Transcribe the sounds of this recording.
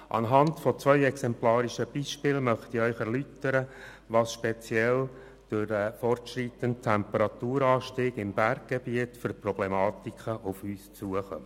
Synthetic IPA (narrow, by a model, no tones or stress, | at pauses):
ʔɑ̰nɦɑntfɔt͡sʋœʏɛksɛmplɑːɾiʃəb̥iʃpɪlmœχt̪ɪœʏχɛɾlytəɾə | ʋɑːsʃpet͡sjɛl | d̥ʊɾəfɔrtʃɾitəntt̪ʰːæmpəɾɑtuːɾɑːʃtiːɡɪmbæɾɡ̚ɡ̥ebiətfʏɾprɔb̥lemɑːt̪ikχəʔʊfyːst͡suəχœ̰m